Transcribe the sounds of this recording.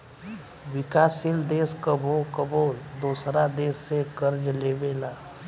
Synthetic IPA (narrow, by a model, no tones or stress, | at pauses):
ʋɪkaːsɪld̪eːskəbʱokəbʱod̪uːsɾad̪eːsːekəɾd͡ʒleːʋeːlaː